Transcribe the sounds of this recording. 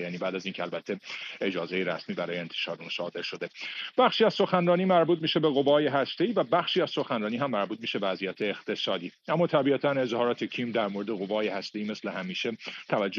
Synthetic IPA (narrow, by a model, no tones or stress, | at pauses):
jæːniːbæːd̪æziːncʰeælbæt̪ʰːe̞e̞d͡ʒɒːzejeɾæ̰smiːbæɾɒːjeent̪ʰe̥ʃɒːɾeunsɒ̰ːd̪e̞ɾʃo̞d̪e̞b̥æxʃiːæz̥so̞xænrɒːniːmæɾbuːt̪̚miːʃe̞be̞ɣo̞vɒːje̞ɦæst̪e̞iːvæbæxʃiːæz̥so̞xænrɒːniːɦæmːæɾbuːt̪̚miːʃebeæzijæt̪ʰe̞ːxt̪ʰe̞sɒːd̪iːʔæmːɒːt̪ʰæbiæt̪ʰæne̞zhɒːɾɒːt̪ʰecʰimd̪æɾmoːɾed̪e̞ɣo̞vɒːjehæst̪e̞iːme̞slehæmiːʃet̪ʰævæd͡ʒː